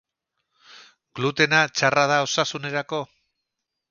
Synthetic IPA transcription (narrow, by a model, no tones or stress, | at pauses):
ɡ̥lut̪e̞nat͡ʃarað̞ao̞sasune̞ɾako̞